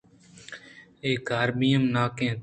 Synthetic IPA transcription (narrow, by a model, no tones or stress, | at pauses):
eːɡaːɾbijəmnaːkẽː